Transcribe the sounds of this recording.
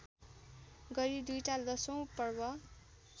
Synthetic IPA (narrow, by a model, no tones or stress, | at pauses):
ɡʌɾid̪ujʈalʌsʌw̃pʌrbʌ